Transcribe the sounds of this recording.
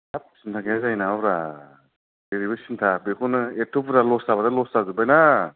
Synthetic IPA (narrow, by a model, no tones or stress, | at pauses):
tap̚sintʰakeazajnaaɾa | deɾibɯsintʰabekʰunɯetʰupɾalɔstaβadalɔstazubajna